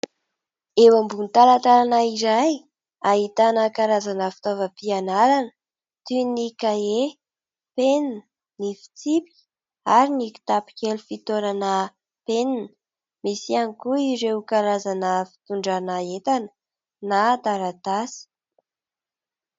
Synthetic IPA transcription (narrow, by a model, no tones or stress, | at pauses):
ewambunit̪alat̪alanaiɾaj | aɦit̪anəkaɾazanəfi̥t̪ovəpianaɾanə̥ | t̪ynikae | pennə | nifi̥t͡sipi̥kʲi̥ | aɾiniki̥t̪api̥kʲelufit̪oɾanə | peninə | misianikuiɾewukaɾazanəfi̥t̪uɳɖ͡ʐanaet̪anə̥ | nat̪aɾat̪asə̥